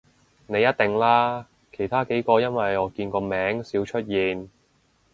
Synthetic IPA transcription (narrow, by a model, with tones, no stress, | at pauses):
ne˨˧jɐ˥t̚t̪ɪ˨˩ŋlaː˥ | kʰe˨˩jt̪ʰaː˥ke˨˥jkɔː˧jɐ˥nwɐ˨jɔː˨˧kiː˧nkɔː˧mɛː˨˥ŋsiː˨˥wt͡ʃʰɵ˥t̚jiː˨n